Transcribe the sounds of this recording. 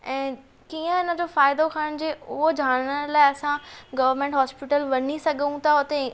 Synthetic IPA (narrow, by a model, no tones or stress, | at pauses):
ɛ̃ː | kiːə̃ɦɪnə̆d͡ʑofaːɪd̪okʰaːɽ̃d͡ʑeːʊɦod͡ʑʱaːɽɽ̃əɽlaːɪɐsãɡɐʋəɾmẽːɳʈɦɔːspɪʈəlʋɐɲisɐɡʱəũt̪ʰaʊt̪e